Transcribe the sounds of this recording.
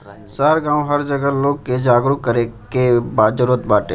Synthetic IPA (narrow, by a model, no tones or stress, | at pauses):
saɾɡãːwɦəɾd͡ʒəɡəloːɡ̚ked͡ʒaːɡɾukːəɾekebaːd͡ʒəɾoːt̪baːʈe